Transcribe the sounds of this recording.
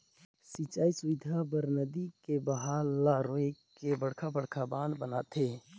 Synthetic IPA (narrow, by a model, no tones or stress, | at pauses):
sit͡ʃaːisʊʋɪd̪ʱabəɾnəd̪ikebəɦalːaɾoekebəɽkʰabəɽkʰabãːnd̪bənat̪ʰeː